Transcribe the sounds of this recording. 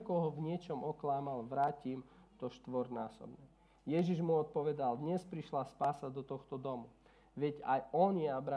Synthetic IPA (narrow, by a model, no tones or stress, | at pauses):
kɔɦɔʋɲɪɛt͡ʃɔmɔklaːmalʋɾaːciːmt̪ɔʃt̪ʋɔɾnaːsɔ̰bɲɛ | jɛʒiʒmuɔt̪̚pɔʋɛd̪ald̪ɲɛspɾiʃlaspaːsad̪ɔt̪ɔxt̪ɔd̪ɔmu | ʋɛɟajɔnjɛabɾa